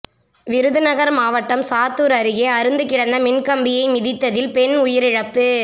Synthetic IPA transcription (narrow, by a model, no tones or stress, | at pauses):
ʋɪɾɯðɯnɐɣɐɾmaːʋɐʈːɐmsaːt̪ːuːɾɐɾɯɣeːɐɾɯnd̪ɯkːɪɽɐnd̪ɐmɪnkɐmbɪjɐɪmɪðɪt̪ːɐðɪlpɛnʊjɪɾɪɻɐpːɯ